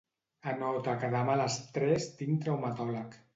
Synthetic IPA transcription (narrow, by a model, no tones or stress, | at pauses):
anɔwt̪akaðamalast̪ɾɛst̪iŋt̪ɾawmat̪ɔlak